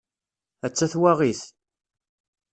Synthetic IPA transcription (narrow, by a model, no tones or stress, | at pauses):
æt͡sːæθwæʁiθ